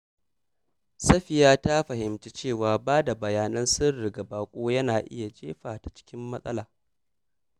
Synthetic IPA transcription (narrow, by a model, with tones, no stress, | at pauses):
sɐ˦ɸɪ˨jaː˦ta˦ɸɐ˨hɪ˨mt͡ʃe˦t͡ʃeː˦˨waː˨baː˦da˨bɐ˨jaː˨nɐ˦nsɪ˦rːɪ˨ɡɐ˨baː˨kʷʼoː˦jɐ˦naː˨ʔɪ̰˦ja˨d͡ʒḛː˦ɸaː˨ta˨t͡ʃɪ̥˦kʲɪ˦mːɐ˦sʼɐ̰˦laː˨